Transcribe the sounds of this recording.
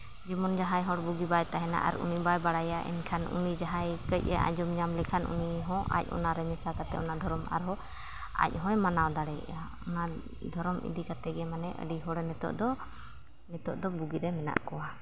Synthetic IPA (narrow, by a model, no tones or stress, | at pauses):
d͡ʒimɔnd͡ʒaɦajɦɔɽbuɡibajt̪aɦɛna̰ʔa̰ɾṵnibajbaɽajaʔɛ̰nkʰanṵnid͡ʒaɦajkəc̚ˀɛʔa̰d͡ʒɔmɲamlɛkʰanʔṵniɦɔ̃ʔa̰c̚ˀɔ̰naɾɛmɛsakat̪ɛɔnad̪ʱɔɾɔma̰ɾɦɔ | a̰c̚ˀɦɔ̃jmanawd̪aɽɛja | ɔna | d̪ʱɔɾɔmʔḭd̪ikat̪ɛɡɛmanɛʔə̰ɖiɦɔɽɛnɛt̪ɔ̰ʔd̪ɔ | nɛt̪ɔʔd̪ɔbuɡiɾɛmɛna̰ʔkɔwa